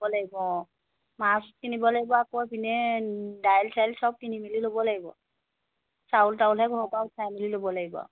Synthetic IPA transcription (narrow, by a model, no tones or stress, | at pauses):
ɔlaɡibɔ | masɔ̥t̚kinibɔlaɡibɔakɔbinɛdajlsajlsɔb̚kinimililobɔlaɡibɔ̰ | saultaulɛɡʱɔbaʊpʰajmililobɔlaɡibɔ̰